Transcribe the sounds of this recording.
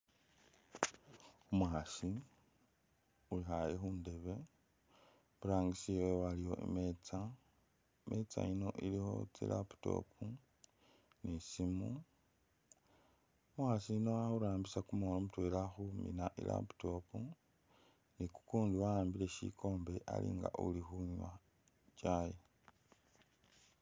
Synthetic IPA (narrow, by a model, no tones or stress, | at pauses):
umuxaʃi | ulixajexuːnde̞βe̞ | βuɾaːŋɡisiwewalijo̞̰ʔḛmet͡sa | mʔet͡sa̰ino̞̰ʔilixo̞̰t͡sḭlʔa̰pu̥to̰pu | nisimu | mwaːsino̞axuɾaːmbisakumolomutwe̞laxumḭnaʔḭlʔa̰pu̥to̞pu | niku̥kuːnduwajaːmbile̞ʃḭkʰo̞ːmbe̞ʔa̰lḭːŋɡa̰ʔṵlixuɲwa | t͡ʃaje